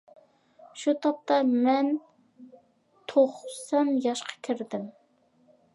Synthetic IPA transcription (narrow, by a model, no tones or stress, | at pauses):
ʃut̪ʰɑp̚t̪ɑmɛn | t̪ʰoχsɛmjɑʃqʰɑ̥kʲʰiɾd̪ɪm